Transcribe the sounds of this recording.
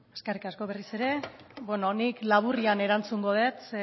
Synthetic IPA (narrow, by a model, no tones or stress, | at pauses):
eske̞rikasko̞βe̞rise̞ɾe̞ | bwenoniklaβuriane̞ɾant͡suŋɡo̞ðe̞t͡s